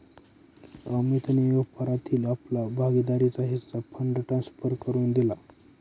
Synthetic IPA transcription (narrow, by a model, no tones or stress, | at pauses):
əmit̪nijoɡpəɾat̪ʰiːlaplabʱaɡid̪aɾit͡saɦit̪t͡sapʰəɳɖʈɾansfəɾkəɾuːnd̪ila